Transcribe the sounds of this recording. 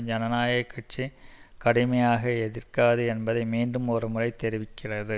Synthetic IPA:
d͡ʒɐnɐnaːjɐkːɐʈ̚t͡ʃːikɐɽɪmɐjaːɣɐɛðɪrkaːðɯɛnbɐðɐɪmiːnɖɯmɔrɐmɯrɐɪt̪ːɛɾɪʋɪkːɪrɐðɯ

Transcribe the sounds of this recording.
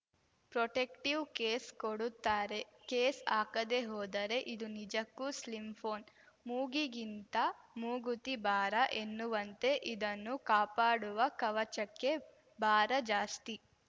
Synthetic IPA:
pɾoʈekʈiʋkeːskoɽut̪ːaːɾe | keːsaːkɐd̪e̞ɦɔːd̪ɐɾe̞ʔid̪unid͡ʒɐkːuslimpʰoːn | muːɡiɡint̪ɐmuːɡut̪ibaːɾɐʔe̞nːuʋɐnt̪e̞ʔid̪ɐnːukaːpaːɽuʋɐkɐʋɐt͡ʃɐkːe̞ | baːɾɐd͡ʒaːst̪i

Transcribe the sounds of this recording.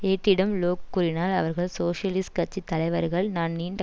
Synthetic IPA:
eːʈːɪɽɐmloːkːuɾɪnaːlɐ̰ʋɐɾɣɐɭsoːʂɐlɪskɐt͡ʃːit̪ːɐlɐɪʋɐɾɣɐɭnaːnniːnɖɐ

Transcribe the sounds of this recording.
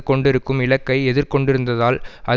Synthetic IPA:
kɔɳɖɪɾɯkːɯmɪlɐkːɐɪɛðɪɾkɔɳɖɪɾɯnd̪ɐðaːlʔɐ

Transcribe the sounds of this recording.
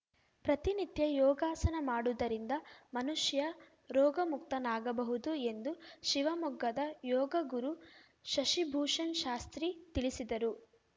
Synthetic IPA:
pɾɐt̪init̪jɐjɔːɡaːsɐnɐmaːɽud̪ɐɾind̪ɐmɐnuʃjɐ | ɾɔːɡɐmuk̚t̪ɐnaːɡɐbɐɦud̪ue̞nd̪uʃiʋɐmɔɡːɐd̪ɐjɔːɡɐɡuɾu | ʃɐʃibʱuːʂɐnʃaːst̪ɾit̪iɭisid̪ɐɾu

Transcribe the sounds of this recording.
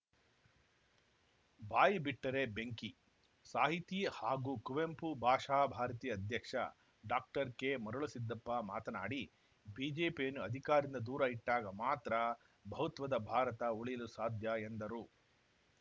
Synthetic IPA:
baːjibiʈːɐɾe̞beŋki | saːɦit̪ihaːɡuːkuʋempubʱaːʂaːbʱaːɾɐt̪iːɐd̪ʱjɐkʂɐ̰ | ɖaːk̚ʈɐɾkemɐɾuɭusid̪ːɐpːɐma̰ːt̪ɐna̰ːɽi | biːd͡ʒeːpijɐnːuɐd̪ʱikaːɾind̪ɐd̪uːɾɐiʈːaːɡɐmaːt̪ɾɐ | bʱɐɦut̪ʋɐd̪ɐbʱaːɾɐt̪ɐuɭijɐlusaːd̪ʱjɐe̞nd̪ɐɾu

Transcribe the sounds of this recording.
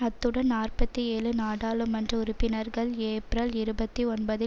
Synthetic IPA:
ɐt̪ːɯɽɐnnaːrpɐt̪ːieːɭɯnaːɽaːlɯmɐndrɯʊɾʊpːɪnɐɾɣɐɭeːpɾɐlɪɾɯbɐt̪ːiɔnbɐðɯ

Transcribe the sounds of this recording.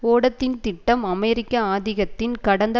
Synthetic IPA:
oːɽɐt̪ːɪnt̪ɪʈːɐmɐmɛɾɪkːɐaːðɪɣɐt̪ːɪnkɐɽɐnd̪ɐ

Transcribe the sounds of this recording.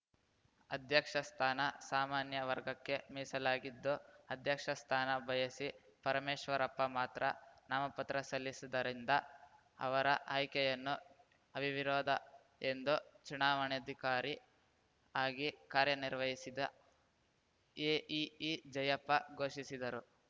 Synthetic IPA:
ɐd̪ʱjɐkʂɐst̪ʰaːnɐsaːmaːnjɐʋɐɾɡɐkːe̞miːsɐlaːɡid̪ːuɐd̪ʱjɐkʂɐst̪ʰaːnɐbʱɐjɐsi | pɐɾɐmeːʃʋɐɾɐpːɐmaːt̪ɾɐ̰naːmɐpɐt̪ɾɐsɐlːisid̪ɐɾind̪ɐ | ɐ̰ʋɐɾɐʔaːjkɛjɐnːu | ɐbʱiʋiɾɔːd̪ʱɐ | end̪ut͡ʃunaːʋɐɳɐd̪ʱikaːɾi | aːɡikaːɾjɐniɾʋɐɦisid̪ɐ | eːʔiːd͡ʒɐjɐpːɐɡo̞ːʃisid̪ɐɾu

